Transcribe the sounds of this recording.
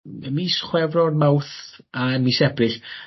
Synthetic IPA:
misχwɛvrɔrmawθamisɛbrɪɬ

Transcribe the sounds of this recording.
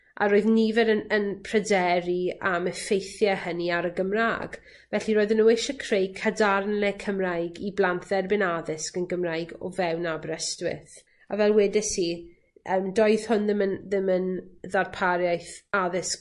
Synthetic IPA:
a̰ɾoːɨðnivɛɾənənpʰrɛdɛɾiaməfejθjahəniaɾəɡəmra̰ːɡ̥ | vɛɬiɾoːɨðənueʃəkʰrejkʰadarnlɛkʰəmrajɡiblˠantðɛrbɪnaðɪskənɡəmrajɡɔ̰vɛwnabrɛstwɪ̰θ | a̰vɛlˠwɛdɛsi | ʔəmdɔɨð̥hʊnðɪmənðɪmənðarpʰaɾjajθaðɪsk

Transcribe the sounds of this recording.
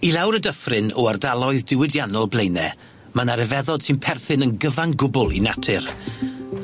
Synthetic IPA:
ilˠawɾədəfrɪnɔardalˠɔɨðdɪwɪdjanɔlˠblˠejnɛ | manaɾɛvɛðɔd̥sɨnpʰɛrθɨnənɡəvanɡʊbʊlˠḭnatʰɨr

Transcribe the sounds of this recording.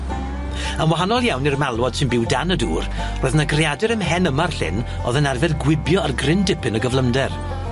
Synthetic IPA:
ənwaɦanɔlˠjawnirmalˠwɔd̥sɪnbɪwdanəduːr | roːðnaɡrjadɛɾəmɦɛnəmarɬɪ̰n | ɔ̰ðənarvɛðɡwɪbjɔarɡrɪndɪpʰɨnəɡəvlˠəmdɛr

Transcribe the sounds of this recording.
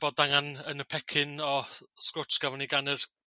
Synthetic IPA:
b̥oːdaŋanənəpʰɛkʰɪnɔskʊt͡ʃɡ̥avɔniɡanɪr

